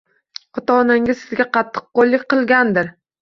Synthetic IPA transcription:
ɒt̪ʰaɒnaŋʲɪzsɪzɡʲaqʰɑt̪ʰːɨ̥q̚qːolˠːɪk̚ʲqɨlˠɡʲand̪ɪɾ

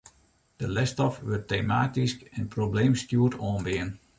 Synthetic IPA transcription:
d̥əlɛstɔfʋørtːemaːtiskɛnprobleːmstjuətʰɔːnbɪən

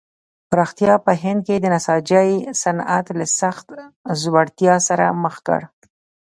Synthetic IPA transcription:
bɾɑxt̪jɑpəɦɪnd̪̚ked̪ənasɑd͡ʒəjsanat̪lasaxt̪zwaɽt̪jɑsaɾa̰məxkə̰ɽ

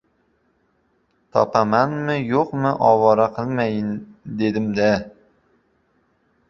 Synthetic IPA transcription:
t̪ʰɒ̰pamanmɪjoqmɪʔɒwɒɾaqʰɨlˠmajɪnd̪e̞d̪ɪmd̪a

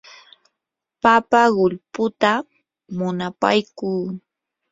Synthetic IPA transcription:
papaɢʊʎpʊt̪a | mʊnapa̰jkuː

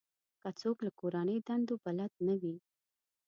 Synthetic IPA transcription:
kat͡soklakoɾanəjd̪and̪obalad̪̚nawi

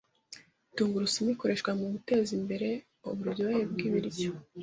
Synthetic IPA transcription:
tuːŋɡuɾusimiko̞ɾe̞ʃkwamuβute̞ːzimbe̞ɾe̞ | o̰βuɾjowajebɡiβiɾjo

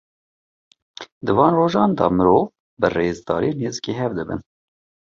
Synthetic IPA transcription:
d̪ɨvɑːnroːʒɑːnd̪ɑ̰mɨɾov | bɨreːzd̪ɑ̰ːɾeːneːzikeːɦɛvd̪ɨbɨ̰n

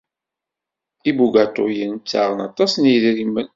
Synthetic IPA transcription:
ibuɡæt̪ˤojənt͡sːa̰ʁənɑt̪ˤɑsniðɾimːən

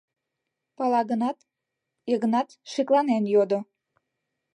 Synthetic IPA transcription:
pɑlɑɣənɑt̪ | eɣənɑt̪ʃiklɑnenjod̪o

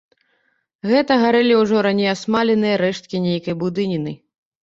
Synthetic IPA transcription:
ɣɛt̪ɐɣaɾɛlʲiwʐɔɾanʲejasmalʲɛnɨjɐɾɛʂt̪̚kʲinʲejkɐjbud̪ɨnʲinɨ

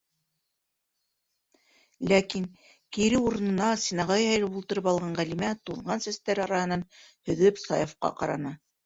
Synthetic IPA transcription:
lækin | kiɾɘuɾɤ̆nɤ̆nɑsinɑʁɑjhɑjɾɤpulˠt̪ɤ̆ɾɤpɑlˠʁɑɴʁælimæt̪uðʁɑnsæst̪æɾɑɾɑhɤ̆nɑnhɵ̆ðɵpsɑjofqɑ̰qɑ̰ɾɑ̰nɑ

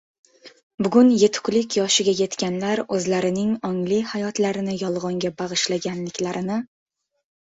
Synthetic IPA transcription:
bʊɡʊnjet̪ʰʊ̥kʲlɪkʲjɒʃɪɡʲaje̞t̪kʲanlaɾɵzlaɾɪnɪŋɒŋlɪhajɒt̪laɾɪnɪjɒlˠʁɒŋɡʲabaʁɨʃlaɡʲanlɪkʲlaɾɪnɪ

